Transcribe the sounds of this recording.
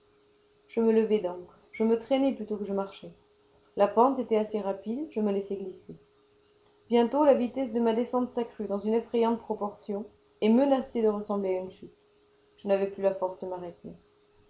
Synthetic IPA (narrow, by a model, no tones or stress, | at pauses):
ʒ̥əmələvɛd̪ɔ̃k | ʒəmət̪χɛnɛplyt̪okəʒəmaʁʃɛ | lapɑ̃t̪et̪ɛaseʁapid̪ʒəməlɛsɛɡlise | bjɛ̃t̪olavit̪ɛs̬d̪əmad̪esɑ̃t̪sakχyd̪ɑ̃zynefχɛjɑ̃t̪pχɔpɔʁsjɔ̃ | ɛmənased̪əʁəsɑ̃bleaynʃyt̪ | ʒ̥ənavɛplylafɔʁsd̪əmaʁet̪e